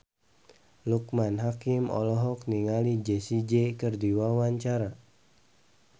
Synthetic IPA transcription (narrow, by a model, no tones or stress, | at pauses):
luk̚manɦakimɔ̰lɔɦɔk̚niŋalid͡ʒesid͡ʒekɨrdiwawaɲt͡ʃaɾa